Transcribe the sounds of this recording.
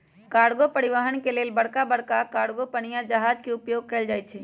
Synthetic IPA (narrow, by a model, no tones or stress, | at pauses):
kaːɽɡopəɽiʋaɦənkeleːlbəɽkabəɽkakaːɽɡopənijãd͡ʒəɦaːd͡ʒkeʊpjoːɡ̚kəːld͡ʒaːjt͡ʃʰɛ